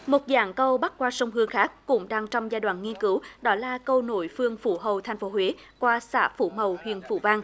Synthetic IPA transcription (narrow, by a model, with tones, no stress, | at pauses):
mo˨˩t̚za̰ː˧˨˩ŋkə˧wɓa˦˥t̚kwaː˧sə˧wŋ͡mhɨ˧əŋxaː˦˥k̚ːʊ̰˧˥ŋ͡mɗaː˧ŋt͡ɕɔ˧wŋ͡mzaː˧jɗwa̰ː˧˨nŋi˧ənkɨ˨˦wɗɔ˨˦laː˨˩kə˧wno̰˧˨jfɨ˧əŋfṵ˧˩ɦə˨˩wt̪ʰa˨˩jŋ̟fo˨˦ɦwe˨˦ | kwaː˧sa̰ː˧˥fṵ˧˩mə˨˩whwḭ˧˨ənfṵ˧˩vaː˧ŋ